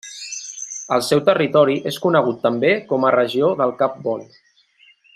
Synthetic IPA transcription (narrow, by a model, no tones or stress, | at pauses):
əlˠsɛwt̪ərit̪ɔɾiʔeskunəɣ̞ut̪ːəmbekɔmərəʒioðəlˠkap̚bɔn